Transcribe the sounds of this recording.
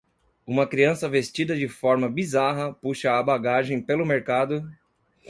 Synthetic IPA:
ũmɐkɾiɐ̃sɐvest͡ʃid̪ɐd͡ʒɪfɔɾmɐbizaɦɐpuʃɐːbaɡaʒẽj̃pelʊmeɾkad̪ʊ

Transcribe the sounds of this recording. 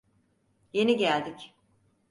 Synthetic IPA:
je̞niɟælʲd̪ic

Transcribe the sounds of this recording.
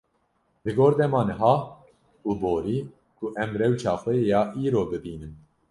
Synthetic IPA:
lɨɡoːɾd̪ɛmɑːnɨɦɑː | uːboːɾiː | kʰuʔɛmrɛwt͡ʃʰɑːxʷɛjejɑːʔiːɾoːbɨbiːnɨm

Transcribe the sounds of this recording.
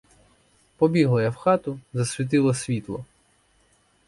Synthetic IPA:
pɔbʲiɦlˠɐjɐwxɑt̪ʊzɐsʲʋʲit̪̬ɪlˠɐsʲʋʲit̪lˠɔ

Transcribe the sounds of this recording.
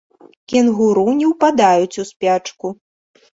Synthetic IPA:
kʲɛnɣuɾunʲɛwpad̪ajut͡sʲuspʲat͡ʂku

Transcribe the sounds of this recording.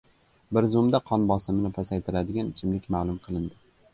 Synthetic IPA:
bɪɾzʊmd̪aqʰɒnbɒsɪmɪnɪpʰasajt̪ʰɪɾad̪ɪɡʲant͡ʃʰɪmlɪkʲmalˠʊmqʰɨlˠɪnd̪ɪ

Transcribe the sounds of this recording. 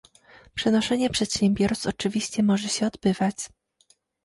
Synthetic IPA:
pʂɛnɔʂɛɲɛpʂɛt̪ɕɛmbʲjɔɾst̪ɔt͡ʂɘvʲiɕt͡ɕɛmɔʐɛɕɛɔd̪bɘvat͡ɕ

